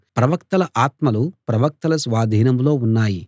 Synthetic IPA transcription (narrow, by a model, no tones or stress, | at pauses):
pɾɐʋɐkt̪ɐlɐʔaːt̪mɐlupɾɐʋɐk̚t̪ɐlɐsʋaːd̪ʱiːnɐmlo̞ːunːaːji